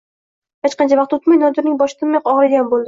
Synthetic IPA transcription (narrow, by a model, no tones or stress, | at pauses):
het͡ʃqɑnt͡ʃʰavɑq̚t̪ot̪majnɒd̪ɪɾnɪŋbɒʃɪ̥t̪ʰɪmmajqɒʁlˠɡʲanbolˠd̪ɪ